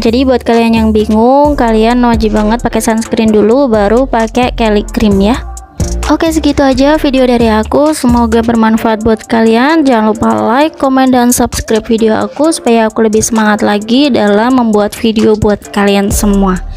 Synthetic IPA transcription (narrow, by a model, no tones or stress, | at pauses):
d͡ʒadibuat̪̚kalianjaŋbiŋʊŋkalianwad͡ʒibaŋət̪̚pakɛsansə̥kɾɪndulubaɾupakɛkɛliɡɾɪmja | ʔokesəɡit̪uad͡ʒafideodaɾiakusəmoɡabərmanfaat̪̚buat̪̚kaliand͡ʒaŋlupalajkomɛndansubskɾap̚fideoa̰kusu̥pajaːkuləbɪhsəmaŋat̪laɡidalamːəmbuat̪̚fideobuat̪̚kaliansəmua